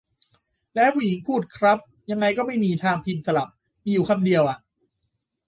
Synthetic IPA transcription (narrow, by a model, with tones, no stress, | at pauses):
lɛː˦˥wu˧˨i˩˨˦ŋpʰuː˥˩t̪̚kʰɾa˦˥p̚ | ja˧ŋːa˧jkɔː˥˩ma˥˩jmiː˧t̪ʰaː˧ŋpʰi˧nsa˧la˨˩p̚ | miː˧juː˨˩kʰa˧mdi˧əwʔa˨˩ʔ